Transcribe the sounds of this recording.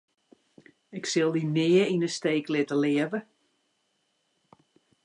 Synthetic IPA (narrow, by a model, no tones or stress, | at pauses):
ɪksɪlˠdinɪːəinəsteːklɪtəlɪəvə